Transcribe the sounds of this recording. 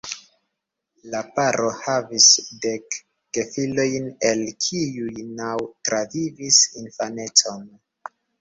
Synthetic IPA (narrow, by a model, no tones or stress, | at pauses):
lapaɾʔo̞havisde̞kː | efilo̞jne̞lkʰiujnawtɾavivisinfane̞t͡so̞n